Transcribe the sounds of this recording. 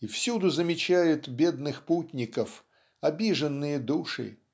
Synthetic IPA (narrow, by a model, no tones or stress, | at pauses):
ifsʲud̪ʊzəmʲɪt͡ɕæjʊt̪bʲe̞d̪nɨxputʲnʲɪkəf | ɐbʲiʐənːɨjəd̪uʂɨ̰